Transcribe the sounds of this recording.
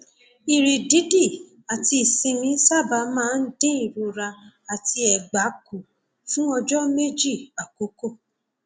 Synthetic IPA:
i˨ɾi˨di˨˦di˦˨ | a˨ti˧i˨sĩ˧mĩ˧˦sa˦˨ba˧˦mãː˦˧n̩˦dẽ˦i˦˨ɾu˧ɾa˧a˨ti˧ɛ˨ɡ͡ba˨˦ku˨ | fũ˦ɔ˧d͡ʒɔ˦me˦d͡ʒi˦˨a˨ko˨˦ko˦˨

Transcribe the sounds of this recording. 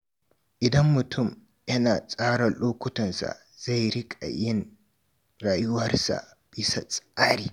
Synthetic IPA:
ʔɪ˨dɐ˦mːʊ˨tʰʊ˦˨m | jɐ˦naː˨sʼaː˦ɽa˨loː˦kʷʊ˦tɔ˨nsa̰˨ | z̥a˦˨jɾɪ˦kʼa̰˨jɪ˦n | ɾaː˨jʊ˦wɐ˦rsa̰˨ | b̥ɪ˦sa˨sʼaː˦ɾiː˨

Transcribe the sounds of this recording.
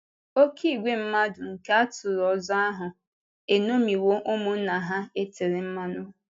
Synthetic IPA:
o˦ki˦˨ɡʷe˦m̩˦ma˦dʊ˨ŋ̩˨ka˦a˦tʊ˨ɾɔ˨za˦a˦ɦʊ˨ | e˨no˦mi˨wo˦ʔʊ˦mʊ˦n̩˦na˨ɦa˦e˦te˨ɾɪ˨m̩˦ma˦nʊ˦˨

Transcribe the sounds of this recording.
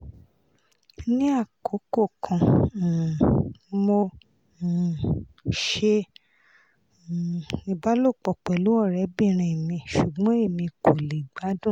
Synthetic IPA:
nĩ˦a˦˨kʰo˨˦ko˦˨kʰã˨ | mo˧˨ | ʃe˧˨ | i˧ba˦lo˦˨k͡pɔ˨k͡pɛ˨lu˨˦ɔ˦˨ɾɛ˨˦bĩ˦˨ɾ̃ĩ˨mĩ˧ʃu˨ɡ͡bɔ̃˨˦e˦˨mĩ˧ko˨le˨ɡ͡ba˨˦dũ˦˨

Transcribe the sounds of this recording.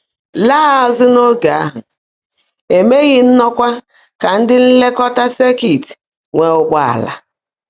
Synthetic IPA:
laː˦˨a˨zʊ˦no˦ɡa˨a˦ɦʊ˨ | e˨me˦ɣɪ˦n̩˦nɔ˦kʷa˦ | ka˨n̩˦dɪ˦n̩˦le˦kɔ˦ta˦se˦ki˨ti̥˨ | ŋʷe˨ʊ˦ɡ͡ba˦˨a̰˨la̰˨

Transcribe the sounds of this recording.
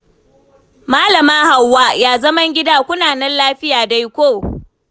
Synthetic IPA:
maː˦lɐ˨maː˦ha˨wːaː˦jaː˦zɐ˦mɐ˦ŋɡʲɪ˦daː˦kʷʊ˦naː˨nɛ˦nlaː˦ɸɪ˦jaː˨da˦jkʷoː˦˨

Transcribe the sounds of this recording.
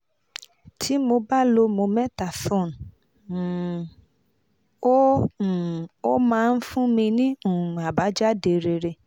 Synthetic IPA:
tʰi˨˦mo˧ba˦lo˧mo˧mɛ˦ta˨sɔ̃˦˨n˨ | o˦˨ | o˦mãː˧˦˧n̩˦fũ˦mĩ˧nĩ˦ũ˦˨a˨ba˨˦d͡ʒa˦de˨ɾe˧ɾe˧

